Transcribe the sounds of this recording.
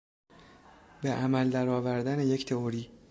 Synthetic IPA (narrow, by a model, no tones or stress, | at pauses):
be̞ʔæmæld̪æɾɒːvæɾd̪æneje̞ct̪ʰe̞oɾiː